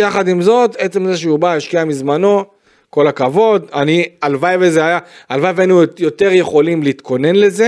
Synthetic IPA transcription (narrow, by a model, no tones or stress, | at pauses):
jaχad̪imzo̞t̪e̞t͡se̞mzeʃeubaeʃkiamizmano̞ | ko̞lakavo̞d̪anialvajvezeajaalvajvenujo̞t̪e̞ʁje̞χo̞limliiːt̪kʰo̞ne̞nleze